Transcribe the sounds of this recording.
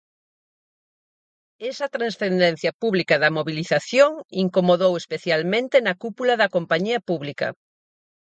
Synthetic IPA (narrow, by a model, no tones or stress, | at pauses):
esɐt̪ɾãnsθend̪en̟θjɐpuβlikɐðɐmoβiliθaθjoŋiŋkomoðowespeθjalmẽnt̪enɐkupulɐðɐkompaɲiɐpuβlikɐ̰